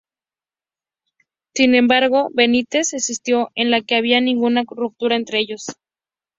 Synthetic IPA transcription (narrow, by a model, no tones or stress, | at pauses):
sinẽ̞mbaɾɣo̞βe̞nit̪e̞sesist̪jo̞ʔe̞nlake̞aβ̞ianĩŋɡunarup̚t̪uɾae̞nt̪ɾeeʝo̞s